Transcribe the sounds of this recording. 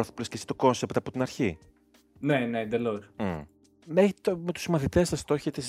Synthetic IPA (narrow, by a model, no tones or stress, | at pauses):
oθi̥pulescesi̥t̪o̞ko̞nsept̪ɐpo̞t̪inɐɾçi | nened̪elos | mexit̪omet̪u̥smɐθit̪esɐst̪o̞çet̪es